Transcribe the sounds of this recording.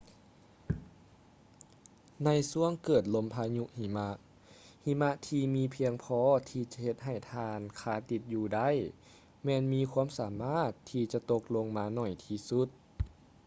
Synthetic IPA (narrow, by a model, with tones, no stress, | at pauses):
na˧˥jsu˧˥˨əŋkɤː˨˩t̪̚lo˧˥mpʰaː˧ɲu˧ʔhi˧˩ma˧˥ʔ | hi˧˥ma˧˥ʔt̪ʰiː˧miː˧pʰi˧əŋpʰɔː˧˥t̪ʰiː˧t͡ɕa˧he˧t̪̚ɦa˨˩j̪t̪ʰaː˧nkʰaː˧˩t̪i˧˦t̪̚juː˧da˧˥˩j | mɛː˧nmiː˧˥kʰu˧˥əmsaː˨˦maː˧˥˩t̪ʰːiː˧t͡ɕa˧t̪o˧k̚lo˧ŋmaː˧nɔ˨˩jt̪ʰiː˧su˧˦t̪̚